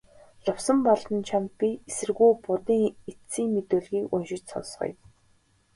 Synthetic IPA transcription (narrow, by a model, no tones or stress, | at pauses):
ɮʊwsə̆mpɔɮt̪ə̆nt͡ɕʰamt̪̚pʲiesɘ̆rɣujpʊt̪iːŋet̪t͡siːŋmet̪oːɮɣiːkʊnʃɪ̆t͡ɕsɔ̰nsχɞ̰̆j